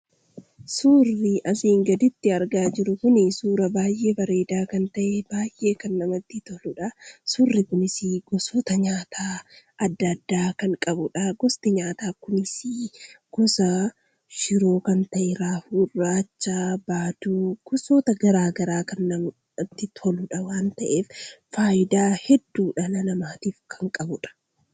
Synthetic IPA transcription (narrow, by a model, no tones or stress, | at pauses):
suːrːiʔɐsiːŋɡɐd̪ɪt̪ːɪɐɾɡaːd͡ʒɪɾʊkʊnɪsuːɾɐbaːjʔe̞ːbɐɾe̞ːd̪aːkɐnt̪ɐʔebaːjʔːe̞ːkɐnːɐmɐt̪ːɪt̪ɔlʊᶑɐsuːrːɪkʊnɪsiɡɔsoːt̪ɐɲaːt̪ʰaːɐd̪ːɐd̪ːaːkɐŋkʼɐbʊᶑɐɡɔst̪ɪɲaːt̪aːkʊnɪsiːɡ̥ɔsɐ | ʃɪɾoːkɐnt̪ɐʔɛɪɾaːhuːrːaːt͡ʃːaːbaːt̪uːɡ̥ɔsoːt̪ɐɡɐɾaːɡɐɾaːkɐnːɐm | ɐt̪ːɪt̪ʰɔlʊᶑɐwaːnt̪ɐʔeːffaːjɪd̪aːhɛd̪ːuːᶑɐnɐnɐmaːt̪iːfkʰɐŋkʼɐbʊᶑɐ̥